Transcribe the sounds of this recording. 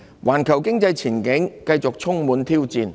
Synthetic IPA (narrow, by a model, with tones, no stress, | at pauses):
wʔaː˨˩nkʰɐ˨˩wkɪ˥ŋt͡sɐ˧jt͡sʰiː˨˩nkɪ˨˥ŋkɐ˧jt͡sʊ˨k̚t͡sʰʊ˥ŋmuː˨˥nt̪ʰiː˥wt͡siː˧n